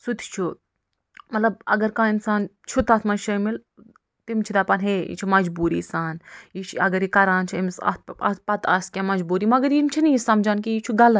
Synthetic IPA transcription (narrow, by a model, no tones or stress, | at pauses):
sut̪ʰi̥t͡ʃʰu | mɐt̪lɐb̚ɐɡɐɾkãːinsaːnt͡ʃʰut̪aːt̪ʰmɐnʃɐmil | t̪imt͡ʃʰid̪aːpɐnɦeːḭt͡ʃʰimɐd͡ʒbuːɾḭːsaːnjit͡ʃʰɐɡɐɾiːkɐɾaːnt͡ʃʰiimsɐ̰t̪ɐpɐt̪ʰɐskʲãːmɐd͡ʒbuːɾiːmɐɡɐɾimt͡ʃʰinijisɐmd͡ʒaːnkiit͡ʃʰuɡɐlɐ